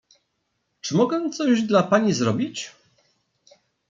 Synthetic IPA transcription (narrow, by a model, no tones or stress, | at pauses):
t͡ʂɘmɔɡɛt̪sɔʑd̪lapaɲizɾɔbʲit͡ɕ